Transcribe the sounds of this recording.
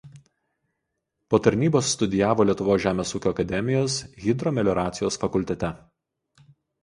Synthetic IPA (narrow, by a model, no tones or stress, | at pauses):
poːt̪ɐɾʲnʲiːboːsːt̪ʊd̪ʲɪjæːʋoːlʲiɛt̪ʊʋoːsʲʒʲæːmʲeːsuːkʲoːɐkɐd̪ʲɛmʲɪjoːsɣʲɪd̪ɾɔːmʲɛlʲɔːɾɑːt̪sʲɪjoːsfɐkʊlʲt̪ʲɛt̪ʲɛ